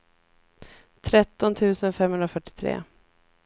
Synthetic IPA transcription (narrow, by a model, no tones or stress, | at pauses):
t̪ʰɾɛt̪ːɔnt̪ʰʉ̟ːsənfɛmhɵnɾafœʈːɪ̥t̪ʰɾḛː